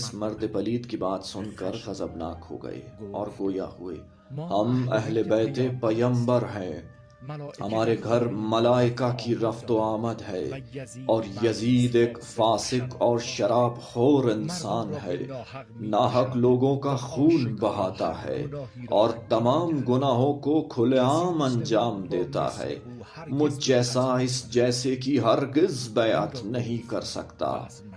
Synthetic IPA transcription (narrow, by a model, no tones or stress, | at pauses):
smɐɾd̪epɐliːd̪kibaːt̪sʊnkəɾɣɐzəbna̰ːkho̰ːɡɐ̰ḛɔːɾɡoːja̰hʊḛː | hɐmɛ̰ɦlebɛːt̪epɐjə̃mbəɾɦɛ̃ː | hɐ̰maːɾeɡʱɐɾmɐlaːɪkakiɾɐft̪oaːməd̪ɦɛːɔːɾjɐziːd̪eːkfaːsɪkɔːɾʃɐɾaːbxoːɾɪ̃nsaːnɦɛ̰ː | naːɦəkloːɡõkaxuːnbɐɦaːt̪a̰ɦɛ̰ːɔːɾt̪ɐmaːmɡʊnaːɦõkokʰʊleaːmɐ̃nd͡ʒaːmd̪eːt̪a̰ɦɛ̰ː | mʊd͡ʒd͡ʒɛːsaɪsd͡ʒɛːsekiɦɐɾɡɪzbɛːə̰t̪nɐɦĩkɐ̰ɾsɐ̰kt̪a̰ː